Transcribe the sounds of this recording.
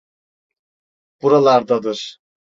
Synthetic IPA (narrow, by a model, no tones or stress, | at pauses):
b̥uɾalˠaɾd̪ad̪ɯɾ̥